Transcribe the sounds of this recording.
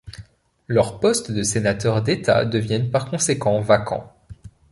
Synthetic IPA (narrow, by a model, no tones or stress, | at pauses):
lœʁpɔst̪d̪əsenat̪œʁd̪et̪a̰d̪əvjɛnpaʁkɔ̃sekɑ̃vakʰɑ̰̃